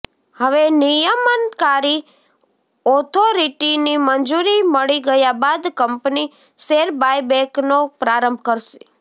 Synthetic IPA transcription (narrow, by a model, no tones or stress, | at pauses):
həʋenijəmənkaɾi | ɔt̪ʰoɾiʈinimənd͡ʒuɾiməɭiɡəjabad̪kəmpni | seɾbajbɛ̃knopɾaɾəmbʱkəɾʃi̥